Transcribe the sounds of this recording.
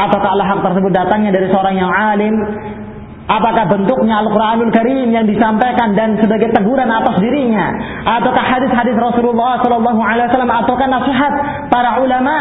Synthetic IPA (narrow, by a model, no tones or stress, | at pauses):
ʔat̪awkaɦalaɦak̚t̪ərsəbʊt̪̚dat̪aŋɲadaɾisəoɾaŋjaŋʕalɪm | ʔapakahbənt̪ʊk̚ɲaalkuɾʔanulkaɾimjaŋdisampajkandansəbaɡajt̪əɡuɾanat̪asdiɾiɲa | ʔat̪awkahhadɪθɦadɪsrɔsululːɑhsɔlɑlːɑɦuʕalajwasalːamat̪awkahnasiɦat̪̚ | paɾaulama